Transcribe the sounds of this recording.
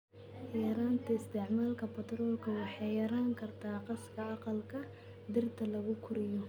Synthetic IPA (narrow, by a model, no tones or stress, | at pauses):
jjɛɾaːnt̪ʰɐɪst̪ʰɪʕmaːlkʰɐpɐt̪ɾɔːlkʰɐwɑħɑjjɐɾaːŋkʰɐrt̪ʰaːqɑskʰɐɑqɑlkʰɐ | d̪ɪrt̪ʰɐlɐɣʊkʰʊɾɪjɔ